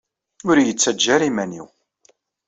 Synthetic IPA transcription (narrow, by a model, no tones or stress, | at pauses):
ʊɾjət͡sːæd͡ʒːæɾimænḭw